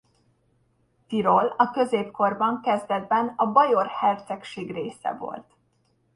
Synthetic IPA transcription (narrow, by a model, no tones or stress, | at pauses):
t̪iɾolɒkø̞zeːpko̞rbɒŋkɛzd̪ɛd̪̚bɛnɒbɒjorhɛrt̪sɛkʃeːɡreːsɛ̰vo̞̰lt̪